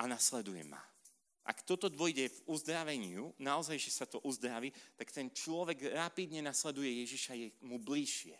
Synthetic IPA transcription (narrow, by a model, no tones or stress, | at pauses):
anaslɛd̪ujɛ̰ma̰ | ʔa̰kt̪ɔt̪ɔd̪ʋɔjɟɛvuzd̪ɾaʋɛɲɪunaɔzajʒɛsat̪ɔʔuzd̪ɾaʋit̪akt̪ɛnt͡ʃlɔʋɛɡɾapid̪ɲɛnaslɛd̪ujɛjɛʒiʃajɛmubliʃɪɛ